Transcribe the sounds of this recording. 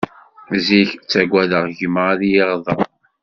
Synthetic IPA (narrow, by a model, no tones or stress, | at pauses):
ziçt͡sːæɡʷæðəʁʝəmʁaljiʁðˤɑ